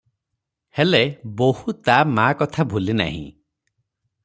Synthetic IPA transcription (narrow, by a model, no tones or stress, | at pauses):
helebohut̪amakɔt̪ʰabʱulina̰ɦḭ̃